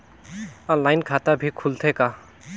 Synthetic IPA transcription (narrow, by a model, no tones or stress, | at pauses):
ɔnlajnkʰat̪abʱikʰult̪ʰɛka